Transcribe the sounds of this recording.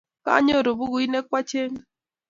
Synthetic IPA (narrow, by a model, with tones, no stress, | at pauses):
ka̰˦a˦ɲo˦˨ɾo˨bu˦ɣu˨˦i˦ne˦kwa˦t͡ʃe˦ŋ˦